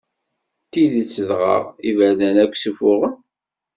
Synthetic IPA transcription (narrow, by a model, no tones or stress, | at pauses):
t̪iðit͡sːəðʁɑ̰ʁivæðænækʷːsufʊʁən